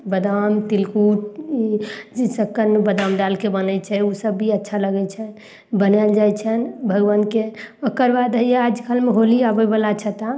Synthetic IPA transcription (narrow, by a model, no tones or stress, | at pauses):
bəd̪amt̪ilkuʈid͡ʒisəkːəɾnebəd̪amɖ̪alkebənɛt͡ʃʰɛusəbːiətːʃʰaləɡɛt͡ʃʰɛ | bənɛld͡ʒajt͡ʃʰənbʱəɡʋənkeokəɾbad̪ɦəjead͡ʒkʰalmeɦoliabəbəlat͡ʃʰət̪a